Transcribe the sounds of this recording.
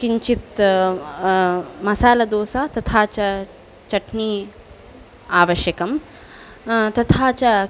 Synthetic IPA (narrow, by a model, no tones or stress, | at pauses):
kiɲt͡ʃit̪ | mɐsaːlɐd̪oːsaːt̪ɐt̪ʰaːt͡ʃɐ | t͡ʃɐʈʰniː | aːʋɐʃjɐkɐm | t̪ɐt̪ʰaːt͡ʃɐ